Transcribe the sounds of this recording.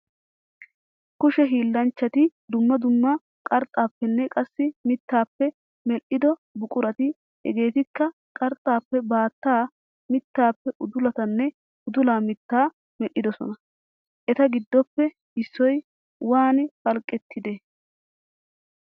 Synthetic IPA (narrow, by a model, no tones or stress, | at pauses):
kʊʃɛɦiːlːɐnt͡ʃːɐt̪ɪd̪ʊmːɐd̪ʊmːɐ | kʼɐɾt̪ʼːaːpːɛnːɛkʼɐsːɪmɪt̪ːaːpːɛ | mɛlʔɪd̪ɔbʊkʼʊɾɐt̪ɪ | ɛ̰ɡe̞ːt̪ɪkːɐ | kʼɐɾt̪ʼːaːpːɛbaːt̪ːaː | mɪt̪ːaːpːɛʔʊd̪ʊlɐt̪ɐnːɛ | ʊd̪ʊlaːmɪt̪ːaː | mɛʔɪd̪ɔsɔ̰nɐ | ʔɛt̪ɐɡɪd̪ːɔpːɛ | ɪsːɔj | waːnfɐlkʼːɛt̪ːɪd̪e